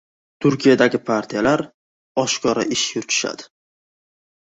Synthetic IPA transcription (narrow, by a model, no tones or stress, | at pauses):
t̪ʰʊɾkʰʲijad̪aɡʲɪpʰaɾt̪ʰijalaɾ | ɒʃkʰɒɾa̰ʔɪʃjʊɾt̪ʰɪ̥ʃa̰d̪̥ɪ